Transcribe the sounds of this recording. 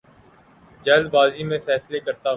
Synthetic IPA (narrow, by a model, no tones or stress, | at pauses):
d͡ʒɐld̪baːzimẽfɛːslekɐɾt̪aɦ